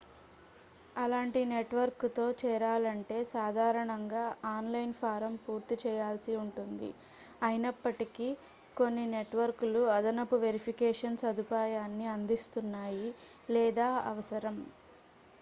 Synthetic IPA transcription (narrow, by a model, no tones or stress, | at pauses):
ɐlaːɳʈine̞ʈʋɐɾkt̪o̞ːt͡ʃɛːɾaːlɐɳʈe̞ːsaːd̪ʱaːɾɐɳɐŋɡaːaːnlɐjnpʰaːɾɐmpuːɾt̪it͡ʃɛːjaːlsiuɳʈund̪ḭ | ɐjinɐpːɐʈiki | ko̞nːine̞ʈʋɐɾkuluɐd̪ɐnɐpuʋe̞ɾipʰikɛːʂɐnsɐd̪ʱipaːjaːnːiɐnd̪ist̪unːaːjilɛːd̪aːɐ̰ʋɐsɐɾɐm